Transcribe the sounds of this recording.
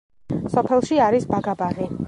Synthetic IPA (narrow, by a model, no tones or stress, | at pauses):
sɔpʰɛlˠʃiaɾisbaɡabaʁi